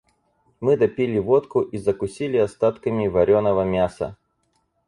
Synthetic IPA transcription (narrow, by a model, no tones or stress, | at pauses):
mɨd̪ɐpʲilʲɪvot̪kʊʔizəkʊsʲilʲɪɐst̪at̪kəmʲɪvɐɾʲonəvəmʲasə̰